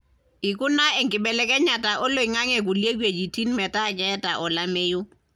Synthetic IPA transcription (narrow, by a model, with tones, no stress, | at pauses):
ɪ˨kʼʊ˦na˦ɪ˦ŋ̩˨kʼɪ˨bɛ˨lɛ˦kʼɛ˦ɲa˨tʼa˨ʔʊ˦lo˨i˨ŋa˦ŋɛ˨kʊ˨le˦kwe˨d͡ʒi˨tʰʼi˦n̩˦mɛ˨tʼa˦t͡ʃʼɛ˦tʼa˨ʔɔ˨la˦meː˦jʊ˦